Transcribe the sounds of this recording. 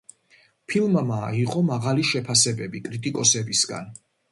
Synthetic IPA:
pʰilˠmamaːiqʼɔmaʁaliʃɛpʰasɛbɛbikʼɾit̪ʼikʼɔsɛbisɡa̰n

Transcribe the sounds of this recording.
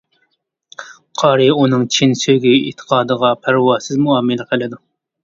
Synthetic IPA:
qʰɑːɾɨunɨŋt͡ʃʰinsøɡʲiḭt̪ʰːə̥qʰɑːd̪əʁɑpʰæɾwɑːsɪzmuɑːmɨlɪqʰəlɪd̪u

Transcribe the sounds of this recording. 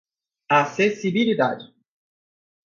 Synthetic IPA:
asesibilid̪a̰d͡ʒɪ

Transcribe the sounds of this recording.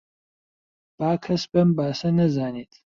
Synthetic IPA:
b̥aːkʰɐsbɐmbaːsɐnɐzaːniːt̪ʰ

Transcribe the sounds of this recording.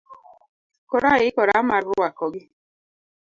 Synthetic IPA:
kɔɾaikɔɾamaɾɡʊwakɔɡi

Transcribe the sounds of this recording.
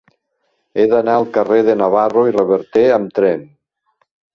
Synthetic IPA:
eðanaːlˠkareðenaβaroirəβəɾt̪eəmt̪ɾɛn

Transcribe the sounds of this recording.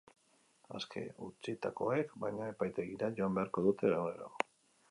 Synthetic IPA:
a̰skʰe̞̰ut͡sit̪ako̞e̞kbajɲae̞pajt̪e̞ɣiɾaʝo̞ambe̞aɾko̞ðut̪e̞lawneɾo̰

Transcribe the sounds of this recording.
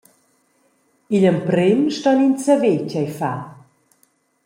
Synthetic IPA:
iʎəmpɾɪmʃtɔnint͡səvecajfa

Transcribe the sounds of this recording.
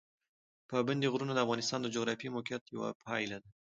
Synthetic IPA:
pəband̪eɣɾunod̪əafɣɑnɪst̪ɑnd̪əd͡ʒoɣɾɑfimokjat̪ja̰wa̰pʰɑjlad̪a

